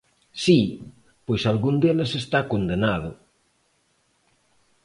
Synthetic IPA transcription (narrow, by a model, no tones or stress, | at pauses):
si | pojsalɣund̪elesest̪akond̪enað̞ʊ